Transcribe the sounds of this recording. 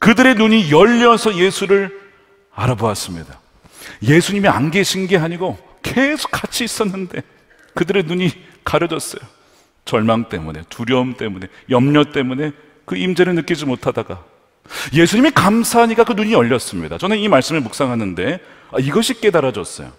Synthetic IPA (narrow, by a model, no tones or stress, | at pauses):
kɯdɯɾe̞nuɲijʌʎːʌsʰʌje̞sʰuɾɯɾ | aɾaboas͈ɯmɲida | je̞sʰuɲimia̰nɡe̞ɕʰinɡe̞ɦaɲiɡo | kesʰo̥k͈ːat͡ɕʰiːs͈ʌnːɯnde̞ | kɯdɯɾe̞nuɲi | kaɾɯd͡ʑʌs͈ʌjo | t͡ɕʌɭmaŋt͈e̞̰mune̞̰tuɾjʌɯmt͈e̞mune̞ | jʌmɲʌt͈e̞mune̞ | kɯimd͡ʑeɾɯɭnɯk͈id͡ʑimotʰadaɡa | je̞sʰuɲimikamsʰaɦaɲik͈akɯnuɲiʌʎːʌs͈ɯmɲidat͡ɕʌnɯnimaɭs͈ɯmɯɭmuk̚s͈aŋɦanɯnde̞ | aiɡʌɕʰik͈e̞daɾad͡ʑʌ̰s͈ʌ̰jo̰